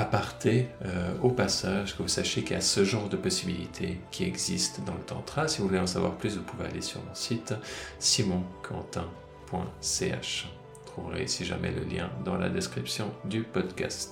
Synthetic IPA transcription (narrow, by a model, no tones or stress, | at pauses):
apɔʁt̪ʰeopasaʒkəvusaʃjekilja̰səʒɑ̃ʁd̪əpɔsibilit̪ʰekʲʰiɛɡzist̪d̪ɑ̃lət̪ɑ̰̃t̪χasivuvuleɑ̃s̬avwa̰ʁplysvupuvea̰lesyʁmɔ̰sit̪simɔ̃kʰɑ̰̃t̪ɛ̃ | pwɛ̰̃sea̰ʃ | t̪χuvʁḛisiʒa̰mɛ̰lə̰ljɛ̰̃d̪ɑ̃la̰d̪ɛskχipsjɔ̃d̪ypɔd̪kʲa̰st̪